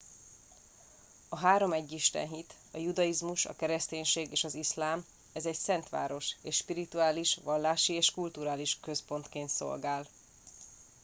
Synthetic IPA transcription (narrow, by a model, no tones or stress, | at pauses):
ɒɦaːɾo̞mɛɟːiʃt̪ɛ̰nɦit̪ | ɒjud̪ɒjizmuʃɒ̰kɛɾɛst̪eːɲʃeːɡeːʃɒzislaːm | ɛzɛcsɛnt̪ʋa̰ːɾo̞ʃeːʃʃpiɾit̪uaːliʃʋɒlːaːʃieːʃkult̪uɾaːliʃkø̞spo̞nt̪keːnt̪so̞̰lɡaːl